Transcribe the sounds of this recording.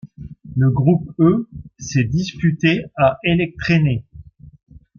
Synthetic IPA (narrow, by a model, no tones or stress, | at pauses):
ləɡʁupøsɛd̪ispyt̪eaʔelɛk̚t̪χene